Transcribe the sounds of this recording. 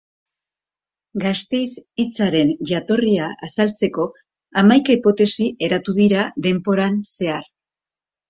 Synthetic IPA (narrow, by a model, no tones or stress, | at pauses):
ɡast̪e̞jsit͡saɾe̞nʝat̪o̞riaʔasalt͡se̞ko̞ | amajkaipo̞t̪e̞siʔe̞ɾat̪uðiɾaðe̞mpo̞ɾanse̞ar